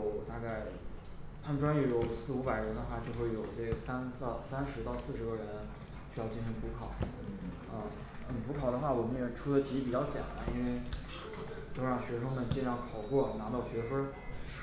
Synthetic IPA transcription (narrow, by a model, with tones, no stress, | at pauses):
ʊt̪a˥˧ka˥˩ɪ | t̪ʰa˥ə˨nʈ͡ʂwa˥jɛ˧˥jo˨˩ʊsɹ̩˥˩u˧˥pa˨˩ɪɻə˧˥nd̪ə˧xwa˥˩t͡ɕjo˥˧xwe˥˩ɪjo˨˩ʊʈ͡ʂe˥˩ɡə˩sa˥nt̪ɑ˥˩ʊsa˥nʂɻ̩˧˥t̪ɑ˥˧ʊsɹ̩˥˩ʂɻə˥˩ɻə˧˥n | t͡ɕy˥jɑ˥˧ʊt͡ɕi˥˩nɕi˧˥ŋpʰu˧˥kʰɑ˨˩˦ʊ | ə˥˧˩ | xə˨˩npʰu˧˥kʰɑ˨˩ʊd̪ə˦xwa˥˩wɔ˨˩mə˦˥nɛ˧˥˩ʈ͡ʂʰu˥d̪ə˨t̪ʰi˧˥pi˨˩t͡ɕjɑ˥˧ʊt͡ɕjɑ̰˨˩˦ŋ˦i˥nwe˥˧ɪ | t͡ɕ̪jo˥˧ʊɻɑ˥˩ŋɕɥɛ˧˥ʂɤ˥ŋmə˥˧˩nt͡ɕjɛ˥˧njɑ˥˩kʰɑ˨˩ʊkwɔ˥˩na˧˥t̪ɑ˥˩ʊɕɥɛ˧˥fə˥